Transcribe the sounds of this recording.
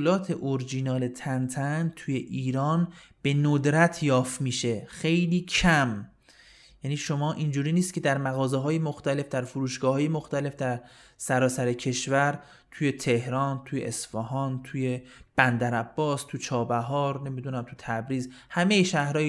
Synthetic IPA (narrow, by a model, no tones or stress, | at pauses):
lɒːt̪ʰe̞ʔoɾd͡ʒinɒːle̞t̪ʰænt̪ʰænt̪ʰuje̞ʔiːɾɒːnb̥e̞nod̪ɾæt̪ʰjɒːft̪miːʃe̞xe̞jliːcʰæm | jæniːʃo̞mɒːʔind͡ʒuːɾiːnist̪̚cʰe̞d̪æɾmæɣɒːzeɦɒːjemoxt̪æle̞fd̪æɾfuɾuːʃɡ̥ɒːhɒːjemoxt̪æle̞fd̪æɾsæɾɒːsæɾecʰe̞ʃvæɾ | t̪ʰuːje̞t̪ʰe̞hɾɒːnt̪ʰuːjḛʔesfɒɦɒːnt̪ʰuːje̞b̥ænd̪æɾæbːɒːst̪ʰut͡ʃʰɒːbæɦɒːɾne̞mid̪unæmt̪ʰut̪ʰæbɾiːzhæme̞jeʃæhɾɒːj